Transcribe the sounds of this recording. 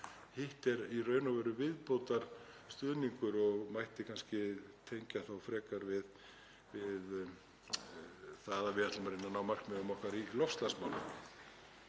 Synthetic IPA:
hɪht̪ɛɾirœːɥnavɛːɾʏvɪðpowt̪aɾ̥ | st̪ʏːðniŋkʏɾɔɣmajht̪ɪkʰanscɪt̪ʰejɲcaθawfɾɛːkaɾvɪð | vɪð | θaðavɪðat̪lamaɾɪnːanawmar̥kmɛʏmɔhkaɾilɔfst̪lasmawlʏ̰n

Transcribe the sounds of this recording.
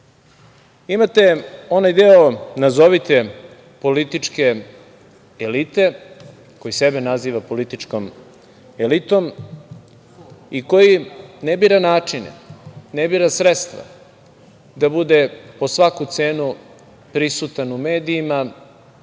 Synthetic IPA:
imat̪eo̞najd̪eonazoʋit̪e | po̞lit̪it͡ʂke̞ | elit̪e̞ | ko̞jisebenaziːʋapo̞lit̪it͡ʂkom | elit̪om | ikojinebiːɾanaːt͡ʂinḛnebiːɾasɾet̪st̪ʋa̰ | d̪abud̪epo̞sʋakut̪seːnu | pɾisut̪anume̞ːd̪iːma

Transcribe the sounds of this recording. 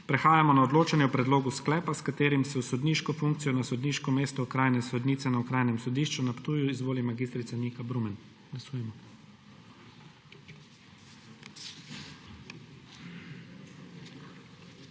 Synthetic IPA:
pɾɛxaːjamɔnaɔd̪loːt͡ʃanjɛupɾɛd̪loːɡusklɛːpaskat̪eːɾimsɛusɔd̪niːʃkɔfuŋk̚t̪sijɔnasɔd̪niʃkɔmeːst̪ɔukɾaːjnɛsɔd̪nit̪ɛnaukɾaːjnɛmsɔd̪iʃt͡ʃunapt̪uːjuizʋoːlimaɡist̪ɾit̪sanikabɾumɛn | ɡ̥lasuːjɛmɔ

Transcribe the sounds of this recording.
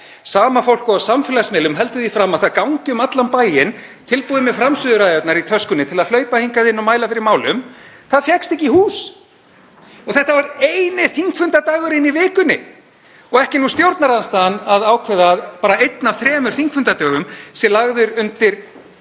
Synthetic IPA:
saːmafowl̥kɔasamfɪlasmɪːlʏmɦɛl̪t̪ʏðifɾamːaðθaðkawŋcɪʏmat̪lanpaːjɪn | t̪ʰɪlpuːðɪmɛfɾamsʏːðʏɾajðœt̪naɾit̪ʰœskʏnɪt̪ʰɪlaðl̥œːɥpahiŋkaðɪnːɔmaːjlafɪɾɪɾmaːwlʏmθaðfjɛkst̪ɛhc̬ːihuːs | ɔɣθɛht̪avaɾejnɪθiŋkfʏnt̪at̪aːɣʏɾɪnːivɪːkʏnːɪ̰ | ɔɣɛhcɪnust̪jowɾt̪naɾanst̪aːanaðaːwcʰɛðaːðpaːɾaejt̪navθɾɛːmʏɾ̥θiŋkfʏnt̪at̪œːɣʏmsɛlaɣðʏɾʏnt̪ɪɾ̥

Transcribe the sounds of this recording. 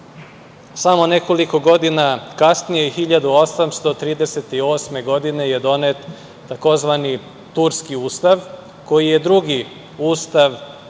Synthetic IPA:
samo̞ne̞ko̞liko̞ɡo̞d̪inakasnijexiʎad̪uo̞samst̪o̞t̪ɾiːd̪e̞se̞t̪io̞ːsme̞ɡo̞d̪ine̞je̞d̪o̞net̪ː | ako̞zʋani | t̪uɾskiuːst̪aʋ | ko̞jije̞d̪ɾuɡi | uːst̪aʋ

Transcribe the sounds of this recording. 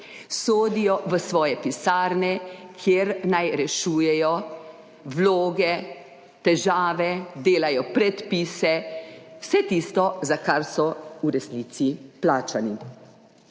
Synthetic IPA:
soːd̪ijɔʋəsʋɔːjɛpisaːɾnɛkʰjeɾnajɾɛʃuːjɛjɔ | ʋloːɡɛ | t̪ɛʒaːʋɛd̪eːlajɔpɾɛt̪piːsɛwsɛt̪iːst̪ɔzakaɾsɔuɾɛsniːt̪siplaːt͡ʃani

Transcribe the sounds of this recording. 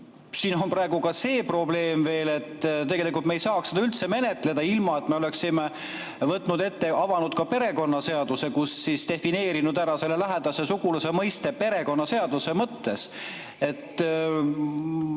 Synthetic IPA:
siːno̞nprɑe̞ɡukɑse̞ːpro̞ble̞ːmve̞ːle̞t̪ːt̪̬e̞ɡe̞likˑult̪mejsɑːksed̪ɑylt̪se̞me̞ne̞t̪ˑle̞d̪̥ɑilmɑe̞t̪ˑme̞o̞le̞ksime | vɤt̪ˑːnud̪e̞t̪ːe̞ɑvɑnud̪̥̚kɑpe̞ɾe̞ko̞nːɑse̞ɑd̪̥use̞kusːist̪e̞fine̞ːɾinud̪æɾɑse̞lːelæɦed̪̥ɑsesuɡulɑse̞mɤjst̪e̞pe̞ɾe̞ko̞nːɑse̞ɑd̪use̞mɤt̪ːe̞s | e̞t̪ː

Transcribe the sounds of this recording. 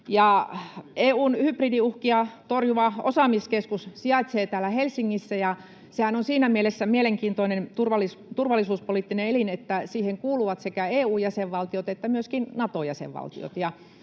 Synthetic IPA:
jɑ | eːuːnhypridiuhkiɑt̪orjuʋɑʔo̰sɑmiskeskussiɑˑit̪seːt̪æːlːˑæhelsiŋːisːæjɑ | sehænonsiːnæmielesːæmieleŋkiːnt̪oinent̪urʋɑlist̪urʋɑlːˑisuːspoliˑt̪ːineelinet̪ːæsiːheŋkuːluʋɑt̪sekæeːuːjæseʋʋɑlt̪iot̪et̪ːæmyøskinnɑt̪ojæsḛʋʋɑ̰lt̪ḭo̰t̪jɑ

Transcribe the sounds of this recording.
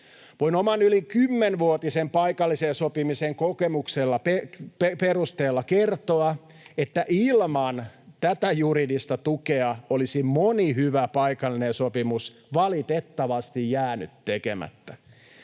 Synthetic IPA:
ʋoinomɑnylikymːenʋuot̪isempɑjkɑlːisensopimiseŋkokemukselːɑpepeperust̪eːlːɑkert̪oɑ | et̪ːæʔilmɑnt̪æt̪æjuɾidist̪ɑt̪ukeɑolisimoniɦyʋæpɑikɑlːinensopimusʋɑlit̪et̪ːɑʋɑst̪ijjæːny̰t̪ːekemæ̰t̪ːæ

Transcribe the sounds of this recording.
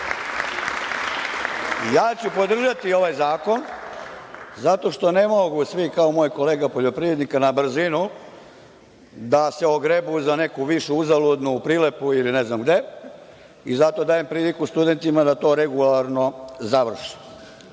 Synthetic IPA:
jaːt͡ɕupo̞d̪r̩ʒat̪io̞ʋajzaːko̞n | zat̪o̞ʃt̪o̞ne̞mo̞ɡusʋikaomo̞ːjko̞le̞ːɡapo̞ʎo̞pɾiʋɾed̪nikanabr̩zinu | d̪ase̞oɡɾebuzane̞kuʋiʃuuzalˠud̪nupɾile̞puiline̞znamɡd̪e̞ | izat̪o̞d̪aːje̞mpɾiːlikust̪ud̪e̞nt̪imad̪at̪o̞ːɾe̞ɡulaɾno̞zaʋr̩ʃi̥

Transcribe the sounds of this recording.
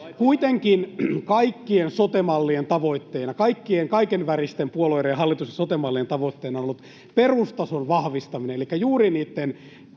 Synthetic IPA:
kuit̪eŋkinkɑikːiensot̪emɑlːient̪ɑʋoit̪ːeinɑkɑikːieŋkɑikenʋærist̪empuoloiɾejɑhɑlːit̪usesot̪emɑlːient̪ɑʋot̪ːeinɑonolːut̪ | perust̪ɑsonʋɑhʋist̪ɑminenelikːæjuːriniːt̪ːen

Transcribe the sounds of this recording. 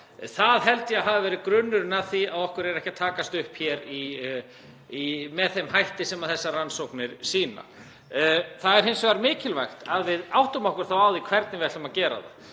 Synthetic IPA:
θaðɦɛlt̪jaɦavɪvɛːɾɪðkɾʏnːʏɾnaðθiaðɔhkʏɾɛɾɛhcat̪ʰaːkast̪ʏhpçjɛɾi | imɛðθemɦajht̪ɪsɛmaðθɛsːaransowknɪɾ̥siːna̰ | θaðɛɾ̥hɪnsaɾmɪːcɪlvajxt̪aðvɪðawht̪ʏmɔhkʏɾ̥θawawðikʰv̥ɛɾt̪nɪvɛt̪amacɛːɾa̰ða̰

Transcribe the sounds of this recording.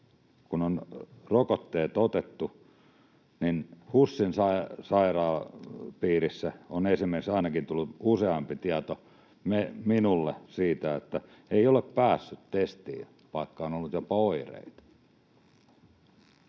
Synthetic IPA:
kunonrokot̪ːeːt̪ot̪et̪ːu | ninhusːinsɑisɑirɑːpiːrisːæonesimerksɑinɑkint̪ulːut̪useɑmpit̪iɑt̪o | meminulːesiːt̪æet̪ːæ | eioleppæːsːyt̪t̪est̪ḭː | ʋɑikːɑonolːut̪jopɑoirḛit̪ɑ̥

